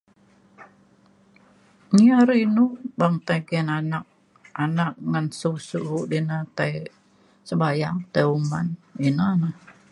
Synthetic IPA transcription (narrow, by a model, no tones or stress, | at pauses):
niaɾinubaŋt̪ajɡɛnanak̚ | anakŋansusuʔɦuʔdinat̪aj | səbajaŋt̪ajumaninana